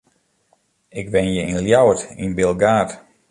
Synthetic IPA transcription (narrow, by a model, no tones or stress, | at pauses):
ɪkbɪnjəinljawətinbɪlˠɡaːt